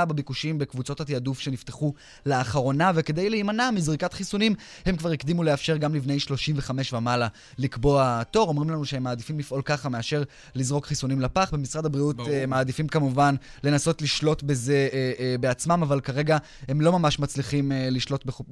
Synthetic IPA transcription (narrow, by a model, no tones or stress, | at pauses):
abebikuʃimbe̞kvut͡so̞thatiadufʃe̞nifteχu | leaχaʁo̞nave̞ke̞d̪ejleimanamizʁikatχisunim | he̞mkvaʁikd̪imuleafʃe̞ʁɡamlivne̞jʃlo̞ʃimve̞χame̞ʃvamala | likbo̞ato̞ʁo̞mʁimlanuʃeemːaːd̪ifimlifʔo̞lkaχame̞aʃe̞ʁ | lizʁo̞kχisunimlapaχbe̞misʁadabʁiutmaːd̪ifimkamuvanle̞naso̞tliʃlo̞tbe̞ze̞be̞at͡smamavalkaʁe̞ɡa | hemlo̞mamaʃmat͡sliχimliʃlo̞tbe